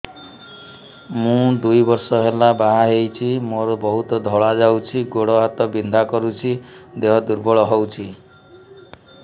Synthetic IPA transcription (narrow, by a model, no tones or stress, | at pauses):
mũd̪ujbɔɾsɔɦelabaɦaɦejt͡ʃʰimoɾɔbɔɦut̪ɔd̪ʱɔɭad͡ʒawt͡ʃʰiɡoɽɔɦat̪ɔbind̪ʱakɔɾut͡ʃʰid̪eɦɔd̪uɾbɔɭɔɦɔwt͡ʃʰi